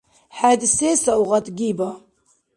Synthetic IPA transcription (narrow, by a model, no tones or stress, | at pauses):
ħad̪ɪseːsawɣat̪ɡiːba